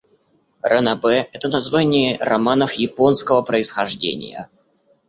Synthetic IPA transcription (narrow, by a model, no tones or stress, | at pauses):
rənɐbɛɛt̪ənɐzvanʲɪjərɐmanəfjɪponskəvəpɾəɪsxɐʐdʲḛnʲɪ̰jə̰